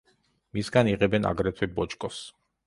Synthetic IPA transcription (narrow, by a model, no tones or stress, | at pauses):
misɡaniʁɛbɛna̰ɡɾɛt̪ʰɛbɔt͡ʃʼkʼɔs